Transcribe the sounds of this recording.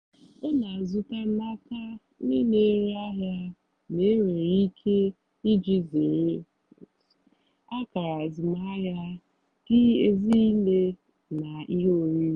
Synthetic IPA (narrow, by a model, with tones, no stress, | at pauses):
o˦na˨zʊ˦ta˦n̩˦a˦ka˦ | ni˦ne˦ɾa˦ɦja˦ | ne˨˦ɾe˨ɾi˦kʰe˦ | i˦d͡ʒi˦ze˨ɾe˦˨ | a˦ka˨ɾa˨zɪ˨ma˦ɦja˦ | ɡ̥ɪ˦e˨zi˦i˦le˦ | na˨i˦ɦo˦ɾi˦